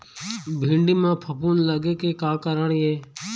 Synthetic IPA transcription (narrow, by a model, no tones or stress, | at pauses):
bʱĩːɳɖiːmãːpʰəpuːnləɡeːkeːkaːkəɾəɳieː